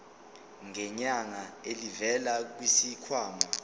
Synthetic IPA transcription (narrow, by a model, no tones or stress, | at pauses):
ŋʱɛɲaŋaelivɛlak̬wisikʰwaːma